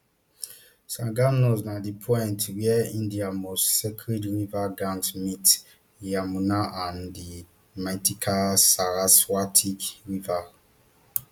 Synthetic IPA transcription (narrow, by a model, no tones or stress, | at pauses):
sãɡanoznadipʰɔjntwɛĩndiamossɛkʰɹidwivaɡãntmit | jamunaʔãndi | matikʰasaɾaswatʰikwiva